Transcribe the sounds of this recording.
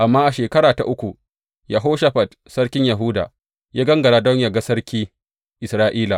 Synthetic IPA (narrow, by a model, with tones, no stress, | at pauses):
ʔa˨mːaː˦ʔa˨ʃeː˨kɐ˦ɽaː˨ta̰˨ʔʊ˦kʷu˨ | ja˨˦ɦoː˦ʃa˦ɸa˨d | sɐ˦ɽkʲɪ˦ɲja˨ɦuː˦da̰ː˨ | jaː˦ɡɐ˦ŋɡɐ˨ɾaː˦dɔ˦ɲjaː˦ɡa˦sɐ˦ɾkʲiː˦ | ʔɪ˨sɾaː˦ʔiː˦la˨